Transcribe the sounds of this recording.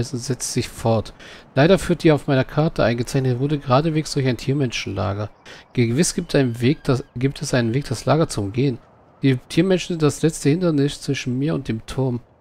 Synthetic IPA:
sʊntz̥ɛt͡stz̥ɪçfɔɐtlaɪɾɐfyːɐt̚d̥iːaʊfmaɪnɐkʰaɐtəʔa̰ɪnɡət͡saɪçnətvoɐdəɡəʁaːdəveːksd̥ʊɐçaɪntʰiːɐmɛnʃn̩la̰ːɡɐɡ̥əvɪsɡ̥vɡiːp̚tʰɛsʔaɪnənveːk̚d̥aslaːɡɐt͡sʊmɡeːən | d̥iːtʰiːɐmɛnʃn̩zɪntd̥aslɛt͡stəhɪntɐnɪst͡sv̥ɪʃn̩miːɐʊnt̚d̥eːmtʰʊɐm

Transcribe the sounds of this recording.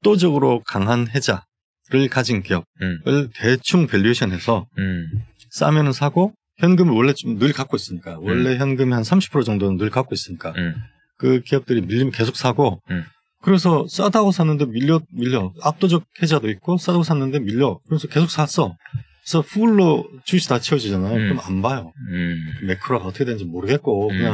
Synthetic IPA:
p̚t͈od͡ʑʌɡɯɾokaŋɦanɦe̞d͡ʑa | ɾɯɭkad͡ʑinkijʌb̚wʌɭːke̞t͡ɕʰuŋpeʎːeɕʰʌnɦesʰʌ | s͈a̰mjʌnɯnsʰaɡo | çjʌnɡɯmiwʌɭːe̞t͡ɕomnɯɭkak͈ois͈ɯmɲik͈awʌɭːe̞çjʌnɡɯmeɦansʰamɕʰi̥pʰɯɾod͡ʑʌŋdonɯnːɯɭkak͈ois͈ɯmɲik͈a | kɯkijʌp̚t͈ɯɾimiʎːimke̞sʰok̚s͈aɡo | kɯɾe̞sʰʌs͈adaɡosʰanːɯnde̞miʎːʌmiʎːʌap̚t͈od͡ʑʌk̚ʰe̞d͡ʑadoit̚k͈os͈adaɡosʰanːɯnde̞miʎːʌkɯɾesʰʌke̞sʰok̚s͈as͈ʌ | esʰʌɸʰuɭːot͡ɕuɕʰitat͡ɕʰiʌd͡ʑid͡ʑanajot͡ɕomanbajo | me̞kʰɯɾaɡaʌtʰʌkʰewend͡ʑimoɾɯɡe̞t̚k͈okɯɲaŋ

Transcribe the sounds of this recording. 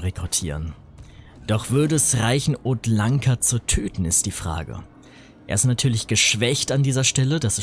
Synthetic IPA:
ʁekʁʊtʰiːʁən | d̥ɔχv̥ʏɐdəɛsʁaɪçn̩oːtlaŋkʰɐt͡sutʰøːtn̩ɪst̚d̥iːfʁ̥a̰ːɡə̰ | ʔeːɐɪstnatʰyːɐlɪçɡ̥əʃv̥ɛçtandiːzɐʃtɛləd̥asɛ

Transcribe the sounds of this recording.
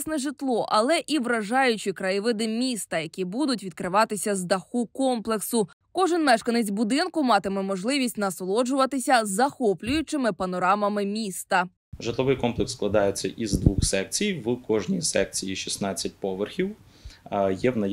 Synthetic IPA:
snɛʐɪt̪lˠɔʔɐ̰lˠɛʔiʋɾɐʒɑjʊt͡ʃikɾɐjɪʋɪd̪ɪmʲist̪ɐjɐkʲibud̪ʊt̬ʲʋʲid̪̚kɾɪʋɑt̪ɪsʲɐzd̪ɐxukɔmplˠeksʊ | kɔʒɪnmɛʃkɐnet͡sʲbʊd̪ɪnkʊmɑt̪ɪmɛmɔʒlˠɪʋʲisʲtʲnɐsɔlˠɔd͡ʒʊʋɐt̪ɪsʲɐzːɐxɔplʲʊjʊt͡ʃɪmɪpɐnɔɾɑmɐmɪmʲist̪ɐ | ʐɪt̪lˠɔʋɪjkɔmplˠeksklˠɐd̪ɑjet͡sʲːɐ̰ʔizd̪ʋuxsɛk̚t͡sʲijʋkɔʒnʲijsɛk̚t͡sʲijiʃʲisnɑt͡sʲːɐt̚ʲpɔʋerxʲiw | jɛwnɐj

